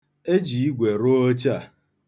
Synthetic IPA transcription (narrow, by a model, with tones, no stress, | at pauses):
e˦d͡ʒi˨i˦ɡʷe˨ɾo˦o˦t͡ʃa˦˨